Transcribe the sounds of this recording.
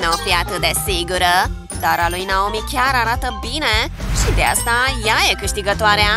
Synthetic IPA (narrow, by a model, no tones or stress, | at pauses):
napjat̪əd̪ɛseɡəɾə | d̪aɾaloinaomikʰjaɾaɾat̪əbinɛ̃ɕid̪a̰st̪ãjajekəʂt̪iɡət̪ʋaɾjã